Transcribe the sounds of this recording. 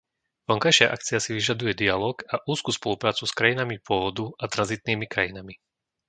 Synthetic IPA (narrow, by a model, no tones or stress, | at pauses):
ʋɔŋkajʃɪaʔa̰kt͡siasiʋiʒad̪ujɛd̪ialɔːɡaʔuːskuːspɔlupɾaːt͡suskɾajinamipʊɔʋɔd̪uat̪ɾanzit̪niːmikɾajinami